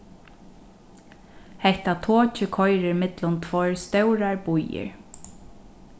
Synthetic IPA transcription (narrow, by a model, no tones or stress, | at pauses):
hɛht̪at̪ʰoːt͡ʃɪkʰɔjɾɪɹmɪt̪lʊnt̪ʰvɔjɹst̪œwɾaɹbujɪ̰ɹ